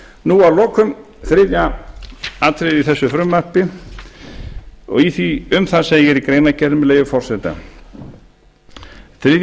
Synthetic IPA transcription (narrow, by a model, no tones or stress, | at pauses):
nualɔːkʰʏm | θɾɪðja | at̪ʰɾɪðiθɛsːʏfɾʏmːar̥pɪ | ɔ̰ɣiθiʏmθaseːjɪɾikɾeːjnacɛɾmleːjvʏfɔr̥sɛt̪a̰ | θɾɪðj